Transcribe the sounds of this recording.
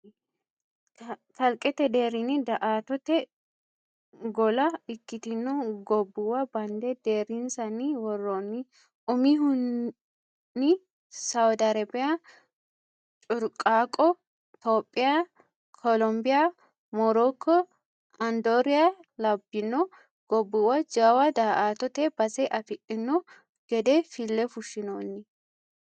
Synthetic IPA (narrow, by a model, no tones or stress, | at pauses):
fɐlkʼɛt̪ɛd̪e̞ːɾinɪd̪ɐʔaːt̪ɔt̪ɛ | ɡɔlɐɪkːɪt̪ɪnːɔɡɔbːuwɐbɐnd̪ɛd̪eːɾinsɐniwɔrːoːnːi | ʊmiɦʊnː | ɪ | sɐwd̪ɐɾɐbɪja | t͡ʃʼʊɾkʼaːkʼɔ | t̪oːpʼːɪja | kʰɔlɔmbɪja | mɔɾɔkʰːɔ | ɐnd̪oːɾɪjalɐbːɪnːɔ | ɡ̥ɔbːʊwɐd͡ʒawɐd̪aːʔaːt̪ɔt̪ɛbɐsɛʔɐfɪʔɪnːɔ | ɡ̥ɛd̪ɛfɪlːɛfʊʃːɪnoːnːɪ